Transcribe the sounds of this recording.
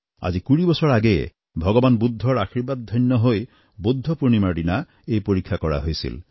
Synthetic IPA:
a̰d͡ʒikuɹibɔsɔɹaɡe | bʱɔɡɔbanbud̪ʱːɔɹaxiɹbad̪̚d̪ʱɔjnːɔɦoj | bud̪ʱːɔpuɹnimaɽina | ejpoɹikʰːakɔɹa̰ɦojsḭl

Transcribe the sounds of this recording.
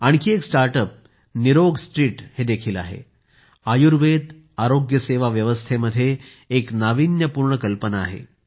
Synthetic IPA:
aɽ̃ikiːeksʈaɾʈəp̚ | niɾoɡsʈɾiːʈhed̪ekʰiːla̰ɦḛ | ajuɾʋet̪ | aɾoɡjəseʋaʋjəʋəst̪ʰeməd̪ʱːjeː | knaʋinjəpuɾɳəkəlpənaːɦḛ

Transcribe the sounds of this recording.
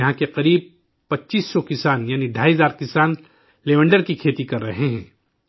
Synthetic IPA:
ɐɦãkeqɐɾiːb̚ | pɐtːt͡ʃiːsːɔkɪsaːnjaːniɖʱaːizaːɾkɪsaːn | leːʋə̃ɳɖəɾkikʰeːt̪ikɐɾːɐɦeɦɛ̰̃ː

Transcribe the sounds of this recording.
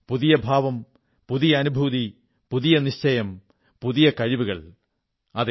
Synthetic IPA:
puðijɐbʱaːʋɐm | puðijɐːnubʱuði | puðijɐniɕt͡ɕɐjɐm | puðijɐkɐɻiʋuɣɐ̰ɭ | ɐð

